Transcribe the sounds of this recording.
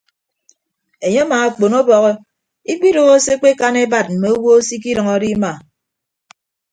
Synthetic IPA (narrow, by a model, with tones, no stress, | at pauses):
e˨ɲe˦maː˨k͡po˨no˦bɔ˨ɣɔ˦ | i˦k͡pi˦ɾo˨ɣo˦se˦k͡pe˦ka˦ne˦ba˨t̚m̩˨me˨o˦wo˦o˦si˦k̬i˦ɾʌ˨ŋɔ˦di˦ma˨